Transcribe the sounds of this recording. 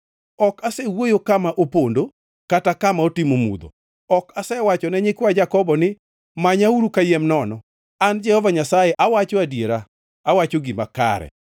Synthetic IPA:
ɔkasɛwojokamaʔopondo | katakamaotɪmomṵd̪o̰ | ɔkasɛwat͡ʃɔnɛɲɪkwad͡ʒakɔbɔnɪ | maɲauɾukajɛmnɔnɔ | and͡ʒɛhɔvaɲasajɛʔawat͡ʃoadjeɾaː | wat͡ʃoɡɪmaka̰ɾɛ̰

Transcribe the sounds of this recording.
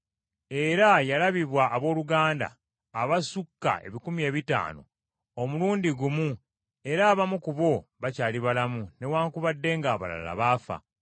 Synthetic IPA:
e̞ɾajalaβiβwaʔːβo̞ːluɡaːnda̰ː | βasukːa̰e̞̰βikumie̞ːβita̰ːno̰ | omuluːndiɡumu | e̞ɾaːβamukuβo̞βacaːliβalamune̞waːŋkuβadːe̞ŋɡaːβa̰la̰la̰βaːfa̰

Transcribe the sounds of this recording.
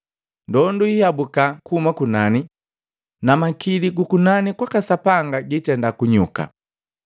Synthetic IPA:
ndɔnduihabukakuumakunani | namakiliɡukunanikwakasapaŋɡaɟitɛndakuɲuka̰

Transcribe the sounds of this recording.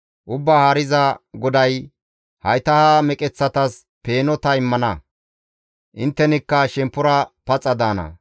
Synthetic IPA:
ʔʊbːaːhaːɾɪzɐɡɔd̪ɐj | hɐjt̪ɐhamɛkʼɛt͡sːɐt̪ɐs | peːnɔt̪ɐɪmːɐnɐ | ʔɪnt̪ːɛnɪkːɐʃɛmpːʊɾɐpɐt͡sʼːɐd̪aːnɐ̰

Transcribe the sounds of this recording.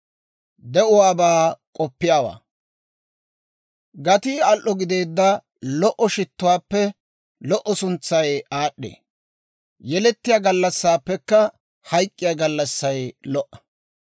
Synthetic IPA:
d̪ɛʔʊwaːbaːkʼɔpːɪjaːwa̰ː | ɡɐt̪iːɐlʔːɔɡɪd̪e̞ːd̪ːɐ | lɔʔɔʃɪt̪ːʊwaːpːɛ | lɔʔːɔsʊnt͡sːɐjaːɗːḛː | jɛlɛt̪ːɪjaɡɐlːɐsːaːpːɛkːɐ | hɐjkʼːɪjaːɡɐlːɐsːɐjlɔʔɐ̥

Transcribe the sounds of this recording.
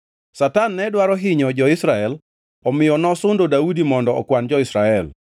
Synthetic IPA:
satanːɛdwaɾɔɦɪɲɔd͡ʒɔɪsɾaɛl | ɔmɪjɔnɔsʊndodaudimɔndɔ̰ːkwand͡ʒɔɪsɾaɛl

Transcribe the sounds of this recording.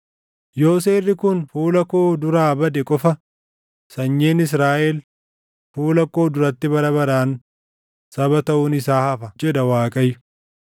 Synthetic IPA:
jo̞ːs̬eːrːɪkʊnfuːlɐkoːd̪ʊɾaːbɐd̪ɛkʼɔfɐ | sɐɲːe̞ːnɪs̬ɾaːʔɛl | fuːlɐkoːd̪ʊɾɐt̪ːɪbɐɾɐbɐɾaːn | sɐbɐt̪ɐʔʊnɪsaːhɐfɐd͡ʒɛd̪ɐwaːkʼɐjːʊ

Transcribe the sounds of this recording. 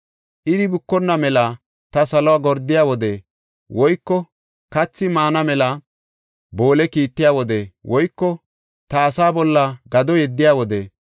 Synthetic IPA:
ʔɪd̪ɪbʊkːɔnːɐmɛlɐ | t̪ɐsɐlɔwaːɡɔɾd̪ːɪjaːwɔd̪e | wɔjkːɔ | kɐt͡sːɪmaːnɐmɛlɐ | bo̞ːlɛkiːt̪ːɪjaːwɔd̪ewɔjkːɔ | t̪ɐːsaːbɔlːɐɡɐd̪ɔjɛd̪ːɪjaːwɔd̪ɛ

